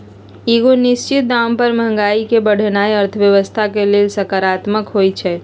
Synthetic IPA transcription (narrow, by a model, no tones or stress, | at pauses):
iɡonist͡ʃit̪̚d̪ampəɾmə̃ŋɡaikebəɽ̤ənaeəɾt̪ʰəʋjəʋəst̪ʰakeleːlsəkaɾat̪məkɦojt͡ʃʰɛ